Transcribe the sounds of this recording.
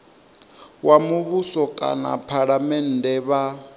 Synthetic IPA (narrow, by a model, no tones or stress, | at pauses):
wamuβusɔkʼa̰na̰pʰaɺamɛn̩dʱɛβa